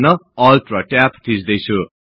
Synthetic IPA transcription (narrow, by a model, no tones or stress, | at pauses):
nʌʌlʈrʌʈapt̪ʰisd̪ʌjt͡sʰu